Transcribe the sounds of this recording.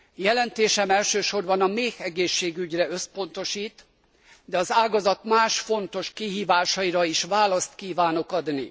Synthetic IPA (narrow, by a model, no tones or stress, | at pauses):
jɛlɛnt̪eːʃɛmɛlʃøːʃo̞rbɒnɒmeːhɛɡeːʃːeːɡyɟrɛøspo̞n̪t̪o̞ʃiːt̪ | d̪ɛɒzaːɡɒzɒt̪maːʃfo̞nt̪o̞ʃkiɦiːvaːʃɒiɾɒiʃʋaːlɒst̪kiːvaːno̞kɒd̪nḭ